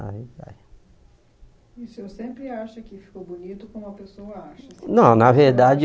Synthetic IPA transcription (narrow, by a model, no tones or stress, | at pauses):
a̰va̰j | isʊewsẽmpɾɪaʃɐkɪfi̥kowbonit̪ʊkõʊɐpesowɐaʃɐsnɐ̃w̃nɐveɾd̪ad͡ʒɪ